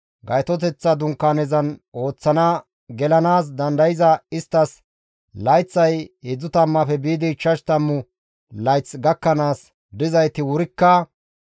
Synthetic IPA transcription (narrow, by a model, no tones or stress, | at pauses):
ɡɐjt̪ɔt̪̬ɛt͡sːɐd̪ʊŋkːaːnɛzɐno̞ːt͡sːɐna | ɡɛlɐnaːs̬d̪ɐnd̪ɐjɪzɐɪst̪ːɐs | lɐjt͡sːɐjɛd͡zːʊt̪ɐmːɐfɛbiːd̪ɪt͡ʃːɐʃt̪ɐmːʊ | lɐjt͡sːɡɐkːɐnaːs | d̪ɪzɐjt̪ɪwʊɾɪkːɐ